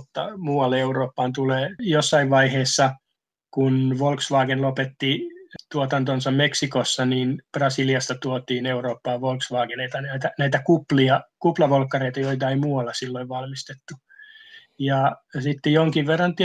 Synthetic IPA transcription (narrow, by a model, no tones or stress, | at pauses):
t̪ːɑ̰muːɑlːeeuroːpːɑːnt̪uleːjosːɑiʋʋɑiheːsːɑ | kunʋolksʋɑːɡenlopet̪ːit̪uot̪ɑnt̪onsɑmmeksikosːɑniːnb̥rɑsiliɑst̪ɑt̪uot̪iːneuroːpːɑːʋʋolksʋɑːkeneit̪ɑnæit̪ænæit̪ækupliɑkuplɑʋolkːɑreit̪ɑjoit̪ɑeimuːɑlːɑsilːoiʋʋɑlmist̪et̪ːu | jɑsit̪ːejoŋkiʋʋerːɑnt̪i